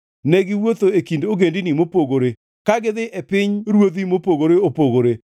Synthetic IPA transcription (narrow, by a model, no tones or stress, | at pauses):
nɛɡɪwot̪oekindoɡendinimopoɡoɾe | kaɡɪðɪʔɛpɪɲɾwod̪imopoɡoɾeopoɡoɾe